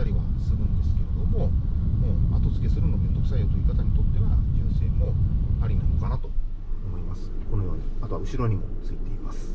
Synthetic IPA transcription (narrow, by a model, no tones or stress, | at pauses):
aɾʲiβa | sɨɡɯ̟̃nd̪e̞sɨ̥ke̞ɾe̞d̪o̞mo̞moːat̪o̞t͡sɨ̥ke̞sɨɾɯno̞bẽ̞nzo̞kɯ̟saijot̪oiːkat̪aɲ̟it̪o̞t̪ːe̞βad͡ʑɨ̃ɰ̃se̞ːmo̞aɾʲinanokanat̪o̞̥ | omo̞imasɨ̥konojo̞ːɲiat̪o̞βaɯ̟ɕiɾo̞ɲ̟imo̞t͡sɨit̪e̞imasɨ̥